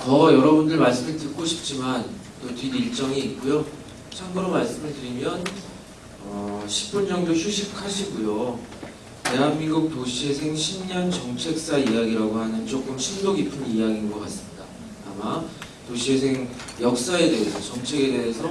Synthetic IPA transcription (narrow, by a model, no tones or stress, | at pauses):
kʌjʌɾʌbundɯɭmaɭs͈ɯmɯɭtɯk͈oɕʰi̥p̚t͡ɕ͈iman | totiniɭt͡ɕ͈ʌŋiːk̚k͈ujo | t͡ɕʰaŋɡɯɾomaɭs͈ɯmɯɭtɯɾimjʌn | ʌɕʰi̥p͈ʰund͡ʑʌŋɡoɕʰuɕʰip̚kʰaɕʰiɡujo | te̞ɦanminɡuk̚toɕʰiesʰe̞ŋɕʰimɲʌnt͡ɕʌŋt͡ɕʰe̞k̚s͈aijaɡiɾaɡoɦanɯnt͡ɕ͈ok͈ɯmɕʰinnoɡipʰɯnijaɡinɡʌk͈as͈ɯmɲida̰ | tama | toɕʰiesʰe̞ŋjʌk̚s͈ae̞de̞ɦesʰʌt͡ɕʌŋt͡ɕʰe̞ɡe̞de̞ɦesʰʌ